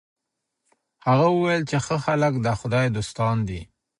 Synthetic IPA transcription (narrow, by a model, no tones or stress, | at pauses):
haɣawəwajlt͡ʃexəxaləkd̪əxʊd̪ɑjd̪ost̪ɑnd̪i